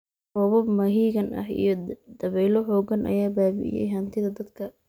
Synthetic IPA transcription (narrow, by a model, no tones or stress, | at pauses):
rɔβɔbmɐɦiːɣɐnʔɐ̰hḭjɞd̪̥ɐβɛjlɔɦɔːɡɐnʔɐ̰jaːbaːbɪ̰ʔɪ̰jɛ̰jɦɐnt̪ʰɪðɐd̪ɐd̪kʰɐ